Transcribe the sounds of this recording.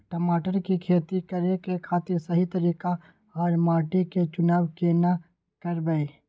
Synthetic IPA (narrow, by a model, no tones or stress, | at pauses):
ʈəmaːʈəɾkikʰeːt̪ikɐɾekekʰaːt̪ɪɾsɐɦit̪ɐɾiːka | aːɾmaːʈiket͡ʃʊnaːwkeːna | kɐɾbəeː